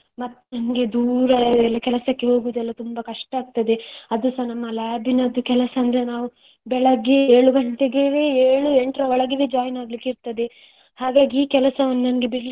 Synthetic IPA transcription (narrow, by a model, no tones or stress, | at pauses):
mɐt̪ːnɐnɐɡe̞d̪uːɾɐɛlːɐkɛlɐsɐkːe̞ɦo̞ːɡud̪ɛlːɐt̪umbɐkɐʂʈɐaːɡ̚t̪ɐd̪e̞ɐd̪usɐnɐmːɐlaːbʱinɐd̪ukɛlɐsɐːnd̪ɐɾenaːʋu | bɛɭɐɡe̞eːɭuɡɐɳʈ̪eɡeʋeeːɭueɳʈɾɐɔɭɐɡiʋed͡ʒaːjnaːɡlikːeiɾt̪ɐd̪e̞ | haːɡaːɡiiːkɛlɐsɐʋɐnːɐnɐnɐɡe̞biɾli